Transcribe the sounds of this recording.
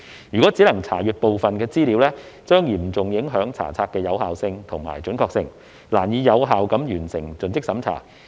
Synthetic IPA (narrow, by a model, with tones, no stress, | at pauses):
jyː˨kɔː˨˥t͡siː˨˥lɐ˨˩ŋt͡sʰa̰ː˨˩jyː˨t̚po˨wfɐ˨nkɛː˧t͡siː˥li˨˧˥wlɛː˥t͡ʃœː˥ŋjiː˨˩m̩˨t͡sʊ˨˩ŋjɪ˨˥ŋɦœː˨˥ŋt͡sʰa̰ː˨˩t͡sʰaː˧t̚kɛː˧jɐ˨˧whaː˨wsɪ˧ŋt̪ʰʊ˨˩ŋma̰ː˨˩jt͡ʃɵ˨˥nkɔː˧k̚sɪ˧ŋ | laː˨˩njiː˨˧jɐ˨˧wɦaː˨wkɐ˨˥mjyː˨˩nsɪ˨˩ŋt͡sɵ˨˧nt͡sɪ˥k̚sɐ˨˥mt͡sʰa̰ː˨˩